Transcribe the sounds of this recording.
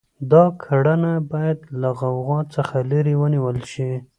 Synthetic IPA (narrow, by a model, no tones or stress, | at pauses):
d̪ɑkʰaɽanabɑjad̪laɣawɣɑt͡səxaləɾiwəniwəlʃi